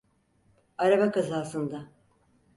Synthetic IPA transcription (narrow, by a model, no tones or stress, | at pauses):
aɾabakazaːsɯnd̪a